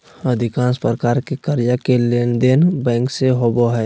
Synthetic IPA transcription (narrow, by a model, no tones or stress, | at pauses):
əd̪ʱɪkãːnspɾəkaːɾkekəɾjakelend̪enbɛ̃ːŋkseɦoboɦɛː